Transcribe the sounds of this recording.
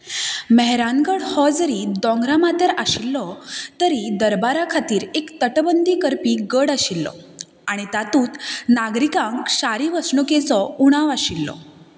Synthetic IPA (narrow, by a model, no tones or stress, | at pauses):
məɦɾanɡəɽhɔd͡zəɾid̪ɔ̃ŋɡɾamat̪əɾaɕilːɔt̪əɾid̪əɾbaɾakʰat̪iːɾekt̪əʈbənd̪ʱiːkəɾpiːɡəɽaɕilːɔ̰ | aɽ̃it̪at̪uːt̪naɡɾikãŋkɕaɾiʋəsɳuket͡sɔuɽ̃aʋaɕilːɔ̰